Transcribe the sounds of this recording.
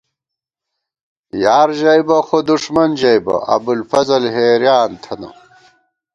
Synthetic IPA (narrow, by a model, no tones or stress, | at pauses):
jaːɾʑɐjbɐxod̪uʂmɐnd͡ʑɐjbɐ̰ɐ̰bulfɐzɐlɦeːɾjaːnt̪ʰɐnɐ̰